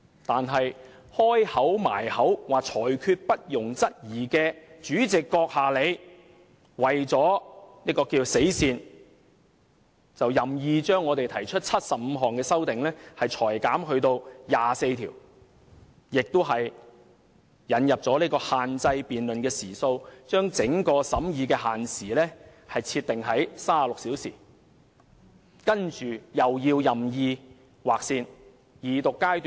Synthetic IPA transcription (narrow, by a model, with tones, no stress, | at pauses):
t̪aː˨nɦɐ˨j | hɔː˥jhɐ˨˥wma̰ː˨˩jhɐ˨˥wwaː˨k̚t͡ʃʰɔː˨˩jkʰyː˧t̚pɐ˥t̚jʊ˨˩ŋt͡sɐ˥t̚jiː˨˩kɛː˧t͡ʃyː˨˥t͡sɪ˨kːɔː˧k̚haː˨le˨˧j | wɐ˨jt͡sɔː˨˥niː˥kɔː˧kiː˧se˨˥jsiː˧n | t͡sɐ˨wjɐ˨mjiː˨t͡ʃœː˥ŋːɔː˨˧t̪e˨jt̪ʰɐ˨˩jt͡ʃʰɵ˥t̚t͡sʰɐ˥t̚sɐ˨p̚m̩˧ɦɔː˨˩ŋkɛː˧sɐ˥wt̪ɪ˨ŋlɛː˥hɐ˨jt͡ʃʰɔː˨˩jkaː˨˥mɦɵ˧ɥt̪o˧wjaː˨se˧jt̪ʰiː˨˩w | jɪ˨k̚t̪o˥wɦɐ˨j | jɐ˨˥njɐ˨p̚t͡sɔː˨˥liː˥kɔː˧haː˨nt͡sɐ˧jpiː˨nlɵ˨nkɛː˧siː˨˩so˧wt͡ʃœː˥ŋt͡sɪ˨˥ŋkɔː˧sɐ˨˥mjiː˨˧kɛː˧ɦaː˨nsiː˨˩lɛː˥ | hɐ˨jt͡sʰiː˧t̪̚ɪ˨ŋɦɐ˨˥jsaː˥˩˨lʊ˨k̚si˨˥wsḭː˨˩ | kɐ˥nt͡ʃyː˨˩jɐ˨wjiː˧wjɐ˨mjiː˧ | waː˨k̚siː˧n | jiː˨t̪ʊ˨kːaː˥jt̪ː